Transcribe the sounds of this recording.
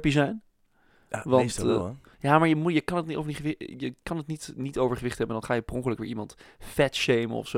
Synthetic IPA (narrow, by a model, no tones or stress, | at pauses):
pizɛjn | ʋɑnnt | jaːmaːɹjəmujəkɑnətnitofniχʋɪjəkɑnətnitnitowvəɹχəʋɪχtɦɛbəndɑnχaːjəprɔŋkələkʋɪːɹimɑntfɛtʃejmə̰nɔ̰fso